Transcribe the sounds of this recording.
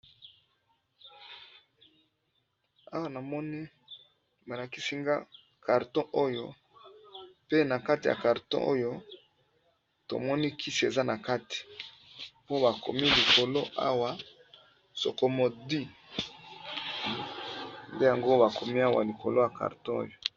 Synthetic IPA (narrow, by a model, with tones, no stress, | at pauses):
a˦wa˨na˨mɔ˦ni˦ | ba˨la˨ki˦si˦ŋɡa̰˦ | ka˨ʁtɔ̃˦ʔo˦jo˦ | pe˦na˨ka˦ti˨ja̰˨ka˨ʁtɔ̰̃˦ʔo̰˦jo˦ | to̰˨mɔ˦ni˦kʰi˦si˨e˨za˦na˨ka˦ti̥˨ | po˦ba˨ko̰˨mi˦li˨ko˨lo˦ʔa̰˦wa˨ | so̰˨ko˨mo˨di˦ | nde˦ja˨ŋɡo˦ba˨ko˨mi˦a˦wa̰˨li˨ko˨lo˦ja˨ka̰˨ʁtɔ̃˦o̰˦jo˦